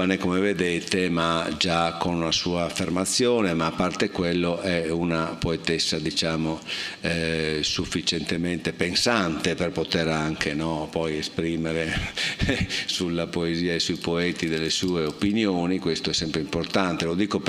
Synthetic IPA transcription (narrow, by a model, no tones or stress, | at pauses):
anekomeved̪eːt̪emad͡ʒakonunasuːaːfːermat̪sːjɔːnemaːpːart̪ekwelːoʔɛunapoet̪esːad̪it͡ʃaːmoɛsufːit͡ʃent̪ement̪epensant̪eperpot̪eɾaŋkʰenɔpɔjespɾiːmeɾe | sulːapoeziːaesuipoɛːt̪id̪elːesuːeopinjoːnikwest̪oɛsːɛmpɾeimport̪ant̪elod̪iːkop